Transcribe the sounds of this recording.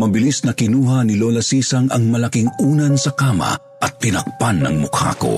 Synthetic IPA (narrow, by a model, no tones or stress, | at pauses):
mɐbɪlisnɐkɪnuːɦɐnɪloːlɐsiːsɐŋɐŋmɐlɐkiŋuːnɐnsɐkaːmɐ̰ | ʔɐt̪ːɪnɐk̚panːɐ̰ŋmʊkha̰ːko̰